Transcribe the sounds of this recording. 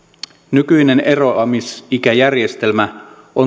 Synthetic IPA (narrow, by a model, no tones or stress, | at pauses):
nykyjne̞nʔe̞ro̞ɑmisik̟æjærje̞st̪e̞lmæ | ʔo